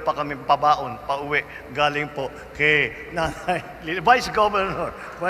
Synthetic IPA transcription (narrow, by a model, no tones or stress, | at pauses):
pɐkɐmɪpɐbaːʔonpɐʔʊwɪʔ | ɡaːlɪŋpoʔ | kɛj | naŋaj | lɪvajsɡobɛɾnoɹ | va